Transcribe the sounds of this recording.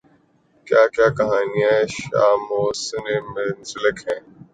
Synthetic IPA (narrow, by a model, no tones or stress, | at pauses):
kjaːkjaːkɐɦaːniːaɛ̃ːʃa̰ːmoːsɪneːmɪnsɪləkɦɛ̃ː